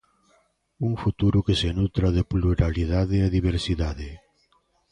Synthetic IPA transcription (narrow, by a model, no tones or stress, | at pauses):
uŋfut̪uɾʊkesenut̪ɾaðeɪpluɾaliðaðɪɛðiβ̞eɾsiðaðɪ